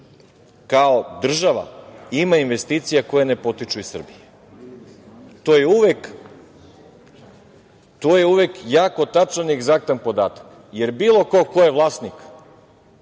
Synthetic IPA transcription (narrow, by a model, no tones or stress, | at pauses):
kaod̪r̩ʒaʋa̰imainʋe̞st̪iːt̪sijako̞jene̞po̞t̪it͡ʃuisr̩bije | t̪oːjeuʋek | t̪oːjeuʋekjaːko̞t̪at͡ʃanieɡzak̚t̪anpo̞d̪aːt̪ḁk | je̞ɾbiːlˠo̞ko̞kojeʋlˠaːsnik